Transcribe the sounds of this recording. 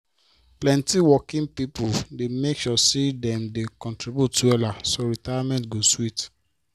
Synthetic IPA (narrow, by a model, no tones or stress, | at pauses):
plɛ̃ntiwɔkĩŋpipuldemekʃɔsidɛ̃mdekɔ̃ntɹibjutuɛlasoɹitajamɛ̃ntɡoswit